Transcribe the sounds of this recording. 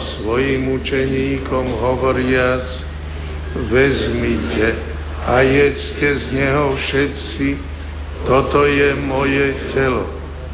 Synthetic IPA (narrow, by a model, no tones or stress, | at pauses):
sʋɔjimut͡ʃɛɲiːkɔmɦɔʋɔɾɪat͡s | ʋɛzmicɛ | ajɛt͡scɛzɲɛɦɔfʃɛt̪si | t̪ɔt̪ɔjɛmɔjɛcɛlɔ̰